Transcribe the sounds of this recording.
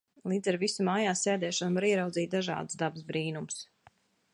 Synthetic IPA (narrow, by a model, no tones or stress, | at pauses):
lˠiːd̪zaɾvisumaːjaːseːd̪ɛːʃɔnvaɾiɛɾawd̪ziːt̪̚d̪aʒɑ̰ːd̪ɨsd̪absbɾiːnums